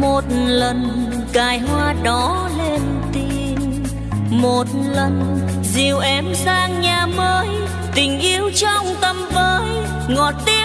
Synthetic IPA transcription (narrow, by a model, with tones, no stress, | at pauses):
mo˨˩t̚lə˨˩n | kaː˨˩jɦwaː˧ɗɔ˨˦ | le˧n | t̪i˧ | m | mo˨˩t̚lə˨˩n | zi˨˩əwʔɛ˨˦mzaː˧ŋɲaː˨˩məː˨˦j | t̪ï˨˩ŋ̟ʔi˧əwt͡ɕɔ˧wŋ͡mt̪ə˧˩mvəː˨˦j | ŋɔ˨˩t̚t̪i˧